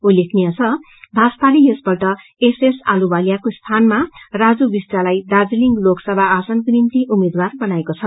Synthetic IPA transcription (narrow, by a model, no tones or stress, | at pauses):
ulekʰniʌt͡sʰʌ | bʱasp̪alijesbʌʈʌ | esesalubaljakost̪ʰanmarad͡zubisʈalajd̪ad͡ziliŋɡloksʌbʱaːsʌnkrint̪iʔumed̪warbʌnaekot͡sʰʌ